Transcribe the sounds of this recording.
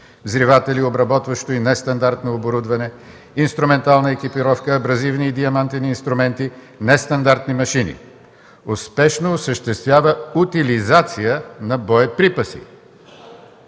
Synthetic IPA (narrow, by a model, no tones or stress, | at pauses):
zɾivat̪ɛliobɾɐbɔt̪vɐʃt̪oinɛst̪ɐnd̪aɾt̪noːboɾud̪vɐnɛ | inst̪ɾʊmɛnt̪alˠnəɛk̟ipiɾɔfkəːbɾɐzivniːd̪iɐmant̪ɛniːnst̪ɾʊmɛnt̪i | nɛst̪ɐnd̪aɾt̪nimɐʃinḭ | ʊspɛʃnoːsəʃt̪ɛst̪vʲjavəut̪ilizat̪sijənɐbɔjɛpɾipɐsḭ